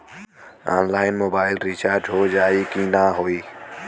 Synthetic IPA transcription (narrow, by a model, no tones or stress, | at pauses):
ã̰ːnlaːɪnmoːbaːɪlɾit͡ʃaːɾd͡ʒɦod͡ʒaːikinaɦoːiː